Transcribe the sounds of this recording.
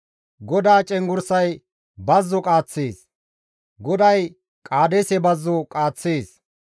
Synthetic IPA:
ɡɔd̪aːt͡ʃʼɛŋɡʊɾsɐj | bɐzːɔkʼaːt͡sːeːs | ɡɔd̪ɐj | kʼaːd̪esɛbɐzːɔkʼaːt͡sːeːs

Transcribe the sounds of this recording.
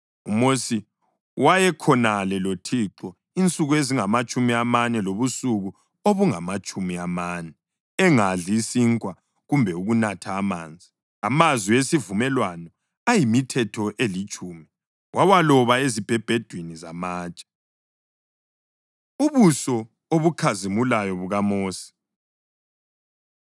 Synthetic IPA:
ṵmosi | wajɛkʰɔnalɛlotʰiǁɔ | int͡sʼuɣueziŋamat͡ʃʼumiamanɛloβusuɣu | oβuŋamat͡ʃʼumiamanɛ | ɛŋaɮiːsiŋkʼwa | ɣumbʱɛuɣunatʰaːma̰ːnd͡zʱi | amazwiesivumɛlwanɔ | ajimitʰɛtʰɔʔelit͡ʃʼuːmi | wʔawalɔβaezib̥ʱɛb̥ʱɛd̥ʱwinizamaːt͡ʃʼḁ | uβusɔ | oβukʰazimulajɔβuɣamoːsi̥

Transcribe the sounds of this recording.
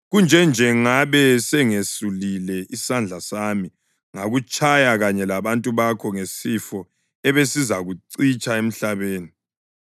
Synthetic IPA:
ɣund͡ʒʱɛnd͡ʒʱɛŋaβɛsɛŋesulilɛʔisand͡ɮʱasami | ŋaɣut͡ʃʼajaɣaɲɛlaβantʼuβakʰɔŋesifɔ | ɛβesizaɣuǀit͡ʃʼaem̩ɬaβeːni

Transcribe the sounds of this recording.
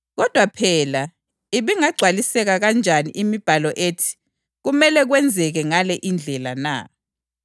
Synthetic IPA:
ɣɔd̥ʱwapʰɛːla | iβiŋaɡ͡ǀʱwalisɛɣaɣand͡ʒʱanḭʔimib̥ʱalɔʔeːtʰi̥ | ɣumɛlɛɣwɛnd͡zʱɛɣɛŋalɛʔind͡ɮʱɛlana̰

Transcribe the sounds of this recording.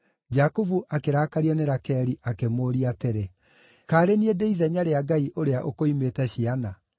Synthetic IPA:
d͡ʒakuvuʔakeɾaːkaɾiɔneɾakɛɾiʔakemoːɾiateɾe | kaːɾeniedeiðɛɲaɾeaɡaiʔoɾeaʔokoimetɛɕiana

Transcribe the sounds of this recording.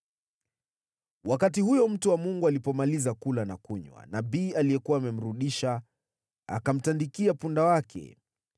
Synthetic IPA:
wakatihujɔm̩tuwamuŋɡualipɔmalizakulana̰kuɲwa̰naɓiːalijɛkuwaːmɛm̩ɾuɗiʃa | a̰kam̩tandikiapundawakʰɛ̰

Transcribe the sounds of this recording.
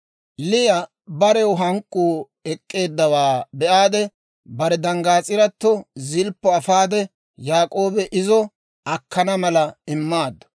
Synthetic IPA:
lɪjɐ | bɐɾɛwʊɦɐŋkʼːuː | ɛkʼːe̞ːd̪ːɐwaːbɛʔaːd̪ɛ | bɐɾɛd̪ɐŋɡaːt͡sʼɪɾɐt̪ːɔzɪlpːɔɐfaːd̪ɛ | jaːkʼo̞ːbɛʔɪzɔ | ɐkːɐnɐmɐlɐɪmːaːd̪ːɔ̥

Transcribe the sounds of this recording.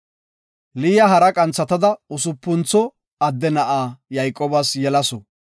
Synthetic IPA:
lijɐɦɐɾɐkʼɐnt͡sːɐt̪ɐd̪ɐʊsʊpːʊnt͡sːɔ | ɐd̪ːɛnɐʔaːjɐjkʼːoːbɐsjɛlɐsɔ

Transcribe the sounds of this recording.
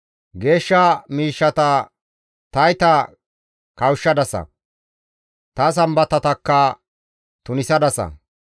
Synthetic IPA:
ɡe̞ːʃːɐmiːʃːɐt̪ɐ | t̪ɐjt̪ɐ | kɐwʃːɐd̪ɐsɐ̰ | t̪ɐs̬ɐmbɐt̪ɐt̪ɐkːɐ | t̪ʊnɪsɐd̪ɐsɐ̰

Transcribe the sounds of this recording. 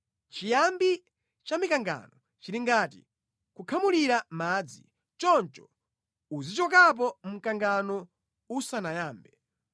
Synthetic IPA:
t͡ʃijambi | t͡ʃamikaŋɡa̰nɔ | t͡ʃiɾiŋɡatḭ | kukʰamuliɾamaːd͡zḭ | t͡ʃɔnt͡ʃɔ̥ | uzit͡ʃɔkap̬ɔm̩kaŋɡanɔ | usanajaːmbɛ

